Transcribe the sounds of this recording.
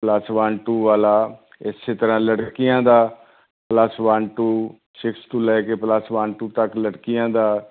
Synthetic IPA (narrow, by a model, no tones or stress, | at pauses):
plasʋaːɳʈuːʋaːlaː | ɪseːt̪əɾãːləɽkɪjãːd̪aː | pləsʋaːɳʈuː | ʃɪkst̪uːlɛːkepləsʋaːɳʈuːt̪əkləɽkɪjãːd̪aː